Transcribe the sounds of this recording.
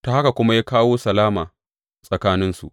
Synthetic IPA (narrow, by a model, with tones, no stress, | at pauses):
ta˨ha˦ka˨kʷʊ˦ma˦jaː˦kaː˦woː˦sɐ˨laː˦maː˨ | sʼɐ˨kaː˦nɪ˦nsṵ˨ʔ